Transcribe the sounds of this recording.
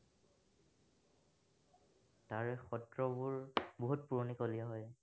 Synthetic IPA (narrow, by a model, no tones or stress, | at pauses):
taɹɛxɔtɹɔbʊɹboɦut̚puɹɔnikoliaɦɔj